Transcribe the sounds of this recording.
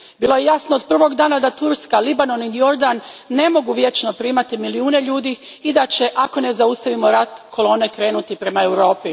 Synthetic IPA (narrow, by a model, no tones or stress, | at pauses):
biːlˠo̞je̞jasnood̪̚pr̩ʋo̞ɡd̪aːnad̪at̪uɾskalibano̞ninio̞ɾd̪anːe̞mo̞ɡuʋje̞t͡ʃno̞pɾiːmat̪imiliuːne̞ʎuːd̪i | id̪at͡ɕe̞ʔako̞ne̞zaust̪aʋimo̞ɾat̪kʰo̞lˠo̞ːne̞kɾe̞ːnut̪ipɾe̞maewɾo̞ːpi